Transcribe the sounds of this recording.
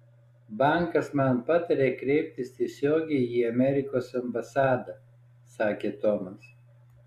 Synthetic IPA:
bɑˑŋˑkɐsmɐnpɑt̪ɐɾʲeːkɾʲɛɪpʲt̪ʲɪst̪ʲiɛsʲoːɡʲɛɪiːɐmʲɛɾʲɪkoːsɐmbɐsɑːd̪ɐ | sɑːkʲeːt̪ɔmɐs

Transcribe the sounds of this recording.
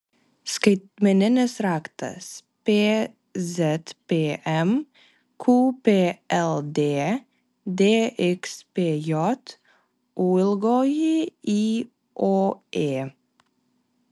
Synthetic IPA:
skɾɪt̪mənənəsɾɑkt̪ə̰speː | sɛt̪peːʔɛm | kʰuːpʰeːʔɛld̪eː | d̪eːʔɪkspeːjɔt̪ | ʔuːəlɡɔjəiː | ʔoːʔeː

